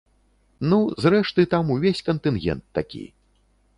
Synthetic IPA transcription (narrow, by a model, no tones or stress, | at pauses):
nuzrɛʂt̪ɨt̪amuvʲesʲkɐnt̪ɨnɣʲɛ̰nt̪ːakʲḭj